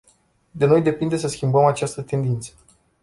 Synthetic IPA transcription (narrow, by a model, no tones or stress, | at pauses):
d̪eno̞jd̪e̞pind̪e̞s̬əskʲimbəmat͡ʃast̪ət̪e̞nd̪int̪sə